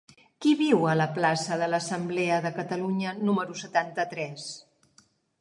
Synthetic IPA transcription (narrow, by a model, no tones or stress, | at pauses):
kiβiwələplasəðələsəmblɛəðəkət̪əluɲənuməɾusət̪ant̪ət̪ɾɛs